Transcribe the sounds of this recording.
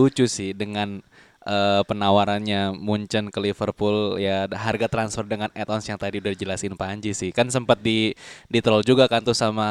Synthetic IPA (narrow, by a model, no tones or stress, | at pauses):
ut͡ʃusɪhdəŋan | ʔəːpənawaɾanɲamuɲt͡ʃənkəlifərpuljaɦarɡat̪ɾansfərdəŋanɛt̪ɔnsjaŋt̪adiudadid͡ʒəlasɪnpaɲd͡ʒisɪhkansəmpat̪̚didit̪ɾɔld͡ʒuɡakant̪usama